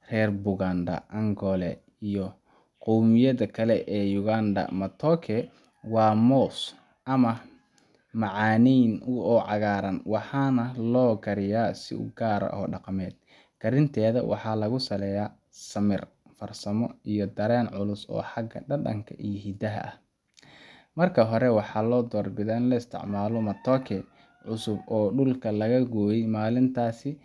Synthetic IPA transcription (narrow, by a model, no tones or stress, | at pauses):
rɛːrbʊɣaːnd̪ɐ̰ʔɐŋɡɔlɛ | ijɔ | qɔwmɪjɐðɐkʰɐlɛʔɛːjʊɣaːnd̪ɐ̰mɐt̪ʰɔːkʰɛ | wɑːmɔːs | ʔɐmɐ | mɑʕɑːnijnʊɔːʕɑɣaːɾɐnwɑħɑːnɐlɔːɡɐɾɪjaːsɪ̰ʊ̰ɡaːɾɐ̰ʔɔ̰ːɖɑqɑmɛːd̪̚ | kʰɐɾɪnt̪ʰɛːðɐwʔɑ̰ħɑːlɐɣʊsɐlɛjaː | sɐmɪr | fɐrsɐmɔijɔd̪ɐɾɛːnʕʊlʊsɔ̰ːħɑɡɐ̰ɖɐɗɐ̰ŋkʰɐ̰ʔijɔɦid̪ɐɦɐ̰ʔɐh | mɐrkʰɐɦɔɾɛwɑħɑːlɔːd̪ɔːrbɪðɐːɪnlɐɪst̪ʰɪ̰ʕmaːlɔmɐt̪ʰɔːkʰɛ | ʕʊsʊbɔːɖʊlkʰɐlɐɣɐɡɔːjɛjmaːlɪnt̪ʰaːsɪ